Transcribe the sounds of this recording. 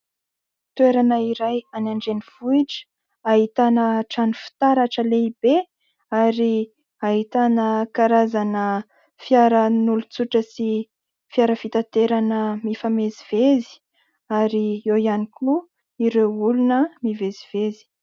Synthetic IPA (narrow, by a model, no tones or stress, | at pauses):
t̪weɾanəiɾajanaɳɖ͡ʐeniv̥uiʈ͡ʂə̥ | aɦit̪anəʈ͡ʂanufi̥t̪aɾaʈ͡ʂəleib̥e | aɾi | aɦit̪anəkaɾazanə | fiaɾənulut͡suʈ͡ʂəsi | fiaɾəfit̪at̪eɾanəmifamezivezi̥ | aɾiewianikʲʰu | iɾewulunəmiveziv̥ezi̥